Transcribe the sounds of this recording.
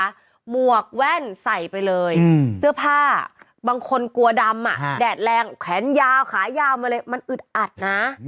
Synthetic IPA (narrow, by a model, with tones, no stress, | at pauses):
mu˨˩ək̚wɛː˥˩nsa˨˩jpa˧jlɤː˧jsɯ˦˥˩əpʰaː˥˩ | baː˧ŋkʰo˧nku˧ɐda˧mːa̰˨˩ʔdɛː˨˩t̪̚lɛː˧ŋkʰwɛː˩˦njaː˧wkʰaː˩˦jaː˧wmaː˧lɤː˧jma˧nʔɯ˨˩t̪̚ʔa˨˩t̪̚na˦˥